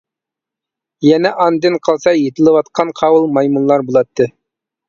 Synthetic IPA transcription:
jɛnɛʔɑnd̪ɨnqʰəlˠsɑjet̪ʰɪlˠɨwɑt̪qʰɑnqʰɑwɨlˠmɑjmunlˠɑɾbolˠɑt̪ʰːɨ

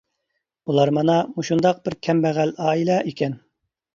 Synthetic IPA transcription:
ulˠɑɾmɑnɑmuʃund̪ɑq̚b̥ɪɾkʲʰɛmbɛʁælɑːilˠɛʔikʲɛn

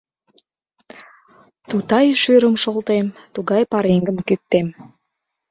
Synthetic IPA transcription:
t̪ut̪ɑjʃɯɾəmʃolˠt̪emt̪uɡɑjpɑɾiŋɡəmkyt̪ːem

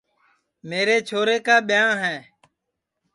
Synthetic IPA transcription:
meːɾeːt͡ʃʰoːɾeːkaːɓɪjãːɦɛ̃ː

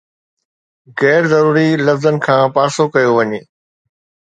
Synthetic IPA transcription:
ɣɛːɾzɐɾuːɾilɐfzənɪ̆kʰãːpaːɾsokɐjoʋɐɲeː

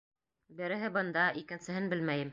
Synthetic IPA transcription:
bɘ̆ɾɘ̆ɦɘbɤ̆nd̪ɑʔikɘ̆nsɘ̆ɦɘnbɘlmæjɘm

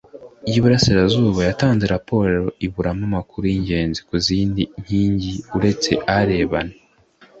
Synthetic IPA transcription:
ijuβuɾasiɾazuːβajataːnze̞ɾapo̞ːɾeɾo̞iβuɾamamakuɾuiɲɟe̞ːnzikuziːndiɲ̥hiːɲɟiuɾe̞t͡se̞̰ʔaɾe̞ːβane

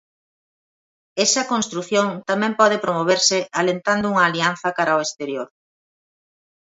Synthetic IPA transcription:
ɛsɐkonst̪ɾuθjoŋt̪amɛ̃mpɔð̞epɾomoβ̞eɾsɪʔalent̪and̪ʊuŋɐːlianθɐkaɾaoest̪eɾjoɾ

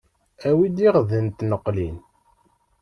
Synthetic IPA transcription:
æwid̪iʁðənt̪nəqːlin

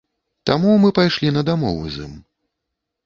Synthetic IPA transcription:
t̪amumɨpajʂlʲinɐd̪amɔvṵzɨ̰m

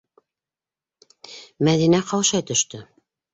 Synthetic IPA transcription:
mæðinæqɑwʃɑjt̪ɵ̆ʃt̪ɵ

